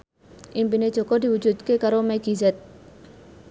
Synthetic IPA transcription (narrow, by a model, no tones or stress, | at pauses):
ʔimpined̥ʒ̥ɔ̤kɔd̪i̤wud͡ʒud̪̚kekaɾomɛɡizɛt̪̚